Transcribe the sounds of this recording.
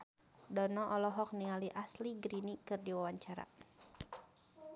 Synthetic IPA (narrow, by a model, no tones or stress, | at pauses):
dɔnɔʔɔlɔɦɔk̚niŋaliʔasliɡɾinikɨrdiwawaɲt͡ʃaɾa̰